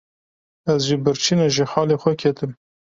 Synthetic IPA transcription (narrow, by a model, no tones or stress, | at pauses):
ɛzʒibɨɾt͡ʃʰinɛʒixɑːleːxʷɛkʰɛt̪ɨm